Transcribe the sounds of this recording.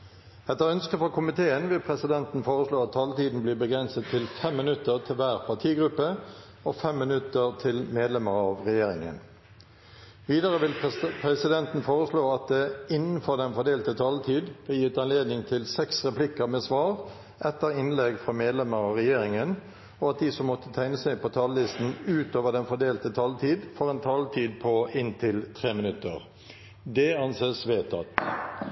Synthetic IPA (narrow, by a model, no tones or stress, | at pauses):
ɛt̪ːəɾœnskəfɔkʰʊmɪt̪ʰeːənʋɪlpʰʁɛsɪd̪ɛnt̪n̩foːʁəsloːɑt̪ʰːɑːlt̪iːd̪n̩bliːbəɡʁɛnsət̪ʰːɪlfɛmːɪnʉt̪əʁt̪ʰɪlʋæːʁpʰɑʈʰiːɡʁʉpːə | oːfɛmːɪnʉt̪əʁt̪ʰɪlmeːd̪lɛməʁɑːʋʁɛjeːɾɪ̰ŋə̰n | ʋiːd̪əʁəʋɪlpʰʁɛsɪd̪ɛnt̪n̩foːʁəsloːɑt̪̚d̪ɛɪnːn̩fɔd̪ɛnfɔd̪eːlt̪ət̪ʰɑːlt̪ʰiːd̪b̥əjiːʋət̪ɑnleːd̪nɪŋt̪ʰɪlsɛksʁɛplɪkəʁmeːsʋɑːʁ | ʔɛt̪ːəɾɪnlɛɡfʁɑmeːd̪lɛməɾɑʁɛjeːɾɪŋən | ɔɑt̪̚d̪iːsɔmːɔt̪ːət̪ʰæɪnəsæɪpʰɔt̪ʰɑːllɪst̪n̩ʉːt̪oːʋəd̪ɛnfɔɖ̪eːlt̪ət̪ʰɑlt̪ʰiːd̪fɔʁɛnt̪ʰɑlt̪ʰiːd̪̚pʰɔɪnt̪ʰɪlt̪ʰʁeːmɪnʉt̪ːə̰ʁ | d̪ɛɑnseːsʋeːt̪ʰɑ̰t̪